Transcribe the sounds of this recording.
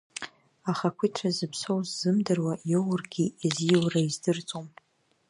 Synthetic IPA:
aχakʷʰitʰrazɨpʰsowzzɨmdɨrwajowrɡʲiiziwraizdɨrt͡sʼom

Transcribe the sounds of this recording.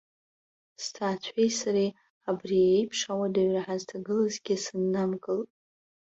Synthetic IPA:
stʰaːt͡ɕʷʰejsaɾi | abriejpʰʂawadaɥraħaztʰaɡɨlazɡʲisɨnːamkʼɨlʼ

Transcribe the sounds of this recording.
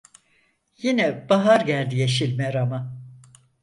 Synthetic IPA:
jinɛb̥aɦaɾɟælʲd̪ijeʃilʲmɛɾama

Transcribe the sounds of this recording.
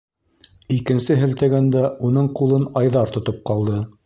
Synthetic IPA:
ikɘ̆nsɘɦɘ̆lt̪æɡænd̪æʔunɤɴqulˠɤnɑjðɑɾt̪ŏt̪op̚qɑlˠd̪ɤ

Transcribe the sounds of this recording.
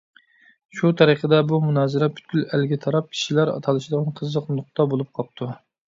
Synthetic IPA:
ʃut̪ʰɑɾəqʰəd̪ɛbumunɑːzɨɾɛpʰyt̪̚ɡʲylælɡʲɛt̪ʰɑɾɑp̚kʲʰi̥ʃilæɾɑ̰t̪ʰɑlˠɨʃɪd̪əʁɑnqʰəzːəqlˠɨnʊq̚t̪ɑbolˠup̚qʰɑp̚t̪ʰu

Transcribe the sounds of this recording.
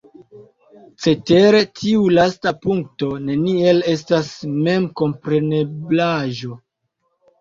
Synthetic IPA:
t͡se̞te̞ɾe̞tʰiulastapuŋk̚to̞ne̞nie̞le̞s̬tasme̞mko̞mpɾe̞ne̞blaʒo̞

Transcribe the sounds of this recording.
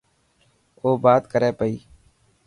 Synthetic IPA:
oːbaːt̪kəɾeːpəiː

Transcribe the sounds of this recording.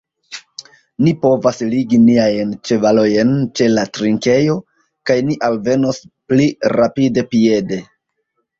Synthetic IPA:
nipo̞vasliɡiniajnt͡ʃe̞valo̞jent͡ʃe̞latɾiŋke̞jo̞ | kajniʔalve̞no̞spliɾapide̞pie̞de̞

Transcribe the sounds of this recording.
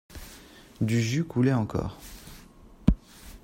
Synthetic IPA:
d̪yʒykʰulɛɑ̃kɔ̰ːʁ

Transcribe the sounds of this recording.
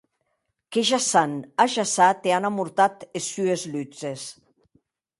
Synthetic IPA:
keʒasanaʒasat̪eanamuɾt̪at̪esyezlyt͡ses

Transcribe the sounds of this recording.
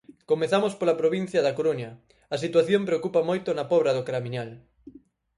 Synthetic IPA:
komeθamospolɐpɾoβ̞in̟θjɐðɐkoɾoɲɐ | ɐsit̪waθjompɾeokupɐmojt̪ʊnɐpɔβɾɐðokɾamiɲal

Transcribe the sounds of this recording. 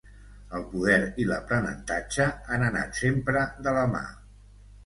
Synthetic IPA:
əlˠpuðɛɾiləpɾənə̰nt̪ad͡ʒəanəna̰t̪sempɾəðələma̰

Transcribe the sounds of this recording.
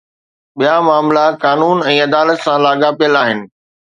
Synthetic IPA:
ɓijamaːmlakaːnuːnɛ̃ːɐd̪aːlət̪sãlaːɠapijəlaːɦɪnɪ̆

